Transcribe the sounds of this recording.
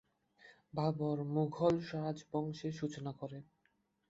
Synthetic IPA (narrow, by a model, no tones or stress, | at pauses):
babɔɾmuɡʱɔlʃɔɾad͡ʑbɔŋʃeʃut͡ɕonakoɾe